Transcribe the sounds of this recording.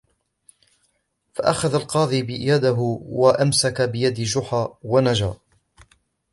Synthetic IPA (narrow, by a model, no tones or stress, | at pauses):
faʔaxaðalqɑːðˤiːbɪjad̪aɦʊwaʔamsakabɪjad̪d͡ʒʊħaːwanad͡ʒa̰ːʔ